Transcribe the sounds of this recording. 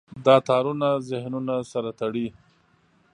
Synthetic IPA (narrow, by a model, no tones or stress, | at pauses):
d̪ɑt̪ɑɾunazɪhnunasaɾat̪aɽi